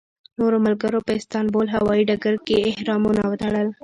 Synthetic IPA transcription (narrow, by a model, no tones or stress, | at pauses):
noɾomalɡəɾopəɪst̪ɑnbolɦawɑiɖaɡaɾkeːhɾɑmunawət̪aɽəl